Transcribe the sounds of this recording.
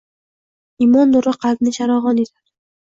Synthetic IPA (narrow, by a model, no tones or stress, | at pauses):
imɒnːʊɾaqʰɑld̪nɪʃʰaɾɒʁɒnid̪aɾ